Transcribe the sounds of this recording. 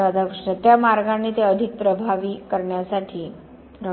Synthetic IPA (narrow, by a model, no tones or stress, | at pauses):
ad̪ʱakɾəʂɳət̪jamaɾɡanːiːt̪eəd̪ʱik̚pɾəbʱaʋiːkəɾɳjasaʈʰiː | ɾə